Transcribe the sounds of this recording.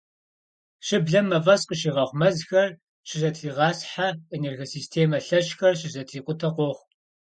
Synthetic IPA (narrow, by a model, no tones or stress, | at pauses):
ɕɪbɮɐmːɐvɐsqəʃiːʁɐʁʷmɐzxɐr | ɕɪzɐtʰiːʁɑːsħaenerɣosiːstʰeːmɐɬɐɕxɐrɕɪzɐtʰiːqʷʼʊtʰɐqʷɔʁʷ